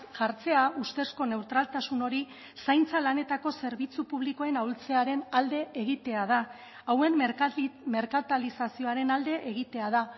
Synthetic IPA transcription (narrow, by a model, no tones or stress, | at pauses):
ʝaɾt͡se̞aust̪e̞sko̞ne̞wt̪ɾalt̪asuno̞ɾi | sajnt͡salane̞t̪ako̞se̞ɾβit͡supuβ̞likoe̞nawlt͡se̞aɾe̞nald̪e̞eɣit̪e̞að̞aː | we̞n | me̞ɾkat̪alisasio̞aɾe̞nald̪e̞ʔeɣ̞it̪e̞að̞a